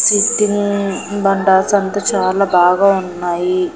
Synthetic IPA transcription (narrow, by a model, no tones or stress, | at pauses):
siʈːinibɐɳɖaːsɐnt̪ɐt͡ʃaːlaːbaːɡaːunːaːji